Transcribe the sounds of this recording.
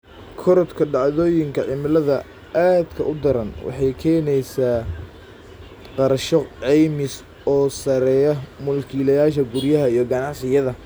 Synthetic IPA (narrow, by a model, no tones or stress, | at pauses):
kʰɔɾɔt̪kʰɐɖɑʕðɔːjɪŋkʰɐʕɪmɪlɐðɐ | aːd̪kʰɐʔʊd̪ɐɾɐnwʔɑ̰ħɑjkʰɛːnɛjsaː | qɑɾʃɔʕɛjmɪs | ɔːsɐɾɛːjɐmʊlkʰiːlɐjaːʃɐɡʊrjɐɦɐijɞɡɐnɑʕsɪjɐðɐ